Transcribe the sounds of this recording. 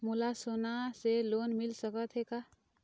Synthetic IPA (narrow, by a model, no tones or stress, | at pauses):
mʊlasoːnaseloːnmɪlsəkət̪ɦɛkaː